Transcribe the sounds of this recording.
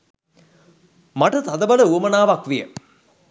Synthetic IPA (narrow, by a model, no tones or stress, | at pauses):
maʈət̪ad̪əbɐləuəmənaːʋakʋijə̰